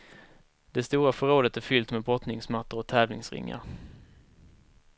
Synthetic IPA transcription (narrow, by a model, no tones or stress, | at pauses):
d̪ɛst̪uːɾafœɾoːd̪ət̪æɾfʏlt̪mɛbɾɔt̪nɪŋsmat̪ːəɾɔt̪ʰɛːvlɪ̰ŋsɾɪ̰ŋːa̰ɾ